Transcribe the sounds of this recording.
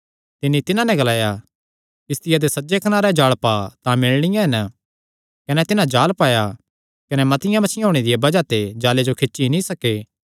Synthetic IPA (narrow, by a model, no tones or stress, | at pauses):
t̪ɪnːit̪ɪnãnɛ̃ɡɐlaːja | kɪst̪ɪjad̪esɐd͡ʒekɐnaːɾed͡ʒaːɭpaːt̪ãmɪɭɽ̃ɪjãɦɐnə | kɐnɛt̪ɪnãd͡ʒaːlpaːja | kɐnɛmɐt̪ɪjãmɐt͡ʃʰɪjãɦoːɽ̃ed̪ɪjebɐd͡ʒat̪ed͡ʒaːled͡ʒokʰɪʃinĩsɐkeː